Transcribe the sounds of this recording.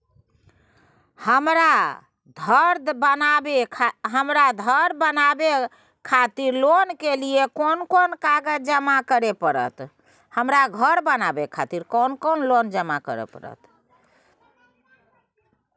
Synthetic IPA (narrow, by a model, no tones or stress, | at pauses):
həmɾa | d̪ʱəɾbənabeɦəmɾad̪ʱəɾbənabe | kʰat̪iɾlonkeliekonkonkaɡəd͡ʒəmakəɾepəɾə̰t̪ | həmɾaɡʱəɾbənabekʰat̪iɾkonkonlond͡ʒəmakə̰ɾḛpə̰ɾə̰t̪